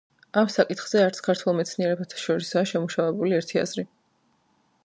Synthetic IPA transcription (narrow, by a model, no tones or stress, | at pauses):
amsakʼit̪χz̥ɛaɾt̪skʰaɾt̪ʰwɛlˠmɛt̪sʰniɛɾɛbat̪ʰḁʃɔɾisaːʃɛmuʃavɛbuliɛɾt̪ʰia̰zɾi